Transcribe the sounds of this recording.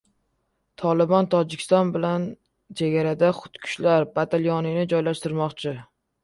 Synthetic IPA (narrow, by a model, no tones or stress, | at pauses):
t̪ʰɒlˠɪbɒnt̪ʰɒd͡ʒɪkʲʰɪ̥st̪ɒnbɪlan | t͡ʃʰeɡʲaɾad̪aχʊ̥t̪kʲʰʊ̥ʃlaɾbat̪ʰaljɒnɪnɪd͡ʒɒjlaʃt̪ɪɾmɒqt͡ʃʰɪ